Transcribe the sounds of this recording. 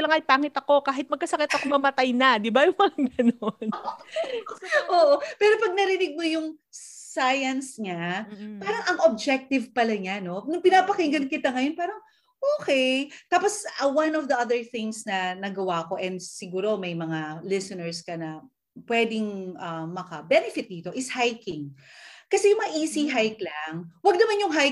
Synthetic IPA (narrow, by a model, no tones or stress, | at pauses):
lɐŋʔɐjpaːŋɪt̪ɐko̞kaːɦɪt̪̚mɐɡ̚kɐsɐkɛt̪ɐkomɐmɐt̪ajnɐd̪ɪbajʊŋmɐŋaɡɐnon | ʔoːʔopɛːɾo̞pɐɡ̚nɐɾɪnɪɡ̚mojʊŋ | sajɐnsɲapaːɾɐŋʔɐŋʔob̚d͡ʒɛk̚t̪ɪvpɐlɐɲano̞nʊŋpɪnaːpɐkɪŋɡɐnkɪt̪aŋɐjo̞npaːɾɐŋ | ʔoːkɛjt̪aːposɐwɐnɔfd̪ɐʔɐðɛɹθɪŋsnɐnɐɡɐwaʔko̞ʔɛnd̪sɪɡuːɾo̞mɐjmɐŋalɪsɔnɛɹskɐnɐ | pwɛd̪ɪŋʔɐmːɐkɐbɛnɛfɪt̪̚d̪iːt̪o̞ʔɪshajkɪŋkɐsɛjʊŋmɐŋaʔiːsiɦajklɐŋwɐɡ̚nɐmanjʊŋɦa